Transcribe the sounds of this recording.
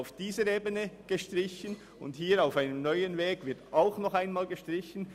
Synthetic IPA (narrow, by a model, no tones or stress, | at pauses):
ʊfd̥iːzəɾeːbənəɡ̥əʃtɾɪçən | ʊ̰nthiːɾaʊfaɪnəmnɔʏənveːɡ̥vɪɐtaʊxnɔχaɪnmaːlɡəʃtɾɪçən̩